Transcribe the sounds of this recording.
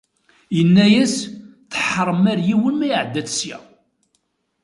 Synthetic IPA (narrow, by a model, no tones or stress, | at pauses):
jənːæjæsθəħəɾˤəmæɾjiwənmæjʕəd̪ːæθsjæ̰